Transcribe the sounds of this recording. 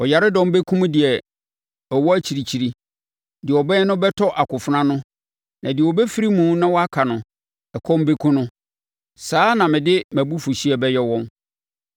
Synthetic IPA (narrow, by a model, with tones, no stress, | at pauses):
ɔ˨ja˨ɾɪ˦dɔ̃˦m˦be˦kʰũ˦m̃˦dɪ˨ɛ˨ | ɔ˨wɔ˦æ˦t͡ɕʰi˨ɾi˨t͡ɕʰi˨ɾi˦ | dɪ˨ɔ˨bɛ̃˦nʊ̃˦bɛ˦tʰɔ˦ʔa˨kʰʊ˨fʊ˦nã˦nʊ̃˦ | nã˨dɪ˨ɛ˨wɔ˨bɛ˦fi˦ɾi˦mũ˨˦nã˦wɔ˦a˦kʰa˨nʊ̃˨ | ɛ˨kʰɔ˦m˦be˦kʰũ˦nʊ̃˦ | saː˦nã˨mɪ̃˨dɪ˦mæ˨bu˦fu˨ɕi˦ɛ˨bɛ˦jɛ˦wɔ̃˦m